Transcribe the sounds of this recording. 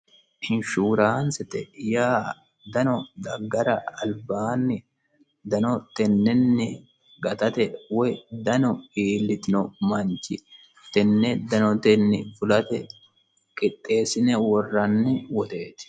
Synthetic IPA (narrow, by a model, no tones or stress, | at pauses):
hɪnʃuːɾaːnsɛt̪ɛ̰jaː | d̪ɐnɔd̪ɐɡːɐɾɐɐlbaːnːɪ | d̪ɐnɔt̪ɛnːɛnːɪ | ɡɐt̪ɐt̪ɛwɔjd̪ɐnɔiːlːɪt̪ɪnɔmɐnt͡ʃɪ | t̪ɛnːɛd̪ɐnɔt̪ɛnːɪfʊlɐt̪ɛ | kʼɪt̪ʼːe̞ːsɪnɛwɔrːɐnːɪwɔt̪e̞ːt̪